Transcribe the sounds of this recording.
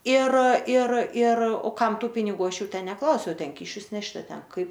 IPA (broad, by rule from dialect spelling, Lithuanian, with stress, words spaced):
ɪr ɪr ɪr oː ˈkɐm ˈtuː pʲɪnʲɪˈɡuː ˈɐʃ ˈjuː ˈtʲɛn nʲɛˈklˠɐʊsʲɛʊ ˈtʲɛn ˈkʲiːʃʲʊs ˈnʲæːʃʲtʲɪ ɐ ˈtʲɛn ˈkɐɪp